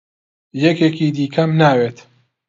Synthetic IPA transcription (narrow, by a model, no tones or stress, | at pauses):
jɛkeːkiːd̪iːkʰɐmnaːweːt̪